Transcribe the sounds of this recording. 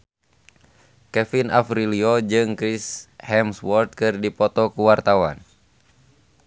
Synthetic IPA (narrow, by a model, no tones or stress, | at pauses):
kɛfina̰fɾiliɔd͡ʒɨŋkɾishɛmswɔrt̪̚kɨrdipɔt̪ɔkuwart̪awa̰n